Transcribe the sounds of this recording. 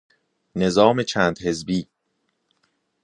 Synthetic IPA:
ne̞zɒːme̞t͡ʃʰæːnd̪he̞zbiː

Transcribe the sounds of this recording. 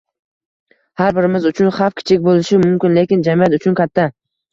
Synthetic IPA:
haɾbɪɾɪmɪzʊt͡ʃʰʊnχafkʲʰɪ̥t͡ʃʰɪkʲbolɪʃɪmʊmkʲɪnle̞kʲɪnd͡ʒamiat̪ʊt͡ʃʰʊnkʲʰat̪ʰːa

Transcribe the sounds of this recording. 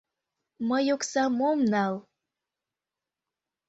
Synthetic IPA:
məjoksɑmomnɑl

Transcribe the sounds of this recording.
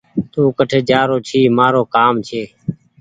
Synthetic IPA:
t̪uːkəʈʰeːd͡ʒaːɾoːt͡ʃʰiːmaːɾoːkaːmt͡ʃʰeː

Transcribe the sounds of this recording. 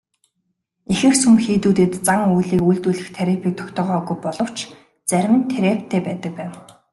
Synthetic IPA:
exɘ̆xsumxiːt̪uːt̪eːt̪t͡saŋujɮiːkujɮt̪uːɮɘ̆xt̪ʰeɾʲepiːk̚t̪ʰɔ̥kt̪ʰɔːʁœːɣujpɔɮɞ̆w̥t͡ɕ | t͡sæɾʲmɘ̆nt̪ʰeɾeːpt̪ʰːeːpæːt̪ə̆k̚pæːw

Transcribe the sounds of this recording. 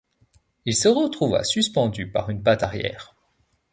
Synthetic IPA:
ilsəʁət̪χuva̰syspɑ̃d̪ypaʁynpat̪aʁjɛ̰ːʁ

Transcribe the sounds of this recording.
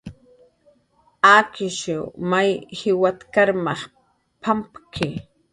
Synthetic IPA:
akɪʃʊmajhɪwat̪kaɾmɑχ | pʰampkʰɪ

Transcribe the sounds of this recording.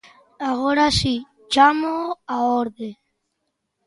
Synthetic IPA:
aɣoɾasi | d͡ʒamoaɔɾde

